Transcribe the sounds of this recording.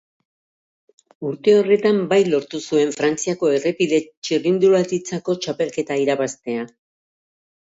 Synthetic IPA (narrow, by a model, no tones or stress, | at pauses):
uɾt̪e̞o̞re̞t̪ambajlo̞ɾt̪usue̞ɱfɾant͡siako̞e̞re̞piðe̞t͡ʃirind̪ulat̪it͡sako̞t͡ʃape̞lke̞t̪aiɾaβast̪e̞a